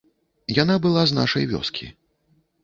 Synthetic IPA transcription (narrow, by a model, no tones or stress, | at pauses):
janabɨlˠazna̰ʂɐjvʲɔ̰skʲḭ